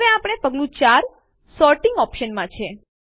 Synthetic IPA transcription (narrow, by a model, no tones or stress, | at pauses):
ʋeapɽ̃epəɡlũt͡ʃaɾ | sɔɾʈɪŋɡɔpʃənmãt͡ʃʰe